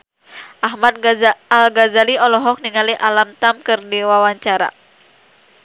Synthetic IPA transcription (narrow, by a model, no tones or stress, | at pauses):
ʔaɦmat̪̚alɡazaliɔlɔɦɔk̚niŋaliʔalamt̪amkɨrdiwawaɲt͡ʃaɾa̰